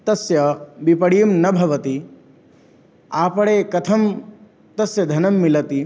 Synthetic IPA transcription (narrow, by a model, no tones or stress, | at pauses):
t̪ɐsjɐbipɐɽijɐmnɐbʱɐʋɐt̪i | aːpɐɽeːkɐt̪ʰɐm | t̪ɐsjɐd̪ʱɐnɐmːilɐt̪i